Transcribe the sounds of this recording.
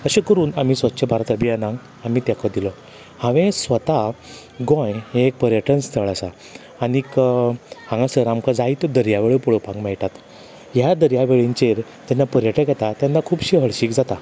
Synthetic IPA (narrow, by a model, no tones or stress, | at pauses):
əɕekəɾuːnamiːsʋətːɕʰebʱaɾat̪əbʱianãŋɡ | amiːt̪jakɔd̪ilɔ | hãʋẽsʋət̪a | ɡɔ̃jɦẽek̚pəɾjəʈʰənst̪ʰəɭasaː | nik | hãŋɡasəɾamkad͡zait̪ɔd̪əɾjaʋeɭəpɔɭopãŋɡmɛɭʈat̪ | jad̪əɾjaʋeɭiɲt͡ɕeɾt̪anːapəɾjəʈə̃ɡɛt̪at̪janːakʰuːbɕiɦəɭɕiːkd͡zat̪a